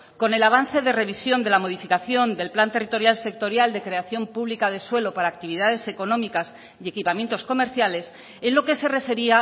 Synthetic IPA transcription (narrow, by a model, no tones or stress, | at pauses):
ko̞ne̞laβ̞an̟θe̞ðe̞re̞β̞isjo̞nd̪e̞lamo̞ðifikaθjo̞nd̪e̞lplant̪e̞rit̪o̞ɾjalse̞k̚t̪o̞ɾjald̪e̞kɾe̞aθjo̞mpuβlikaðe̞swe̞lo̞paɾaːk̚t̪iβ̞iðaðe̞se̞ko̞nõ̞mikas | ie̞kipamje̞nt̪o̞sko̞me̞ɾθjale̞s | enlo̞ke̞se̞re̞fe̞ɾia